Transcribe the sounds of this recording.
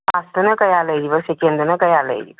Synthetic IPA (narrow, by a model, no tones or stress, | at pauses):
ast̪ənəkajaləjd͡ʑiːʋəɾɕekend̪ənəkajalə̰jd͡ʑḭː